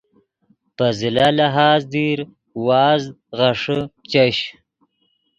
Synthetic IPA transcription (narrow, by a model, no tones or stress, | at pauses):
pəzɪlalaɦɑːzd̪iɾ | wɑːzɣaʂət͡ʃaɕ